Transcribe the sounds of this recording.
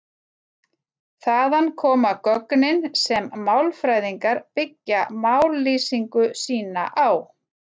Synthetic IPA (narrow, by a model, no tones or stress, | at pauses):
θaːðankʰɔːmakœknɪnsɛmːawlfɾajðiŋkaɾpɪcːamawlːiːsiŋkʏsiːna̰ʔaw